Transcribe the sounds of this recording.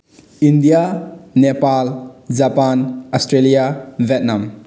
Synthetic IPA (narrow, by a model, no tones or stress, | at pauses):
indijanepald͡ʒapanɔstɾelijabʱɛt̚nam